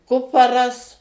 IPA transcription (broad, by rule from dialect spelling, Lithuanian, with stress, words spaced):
ˈkʊpɐrɐs